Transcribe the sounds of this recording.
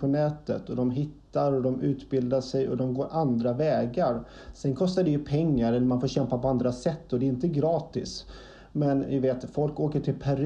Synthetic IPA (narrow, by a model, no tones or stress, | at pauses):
pʰɔnɛːt̪ə̰t̪ɔd̪ɔmɦɪt̪ːaɾɔd̪ɔmʉ̟ːt̪bɪld̪aʂɛjɔ̰d̪ɔmɡoːɾʔand̪ɾavɛːɡaɾ | sɛnkʰɔst̪aɖɛjɵpʰɛŋːaɾɛlːəɾmanfoːɾɕɛmpapɔand̪ɾasɛt̪ːɔd̪ɛɪnt̪əɡɾɑːt̪ɪs | mɛnɪveːt̪fɔlkoːkəʈʰɪlpʰæɾ